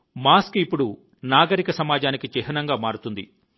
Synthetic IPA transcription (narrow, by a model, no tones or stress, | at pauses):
maːskipːuɽu | naːɡɐɾikɐsɐmaːd͡ʒaːnikit͡ʃɛɦɐnɐŋɡaːmaːɾut̪und̪ḭ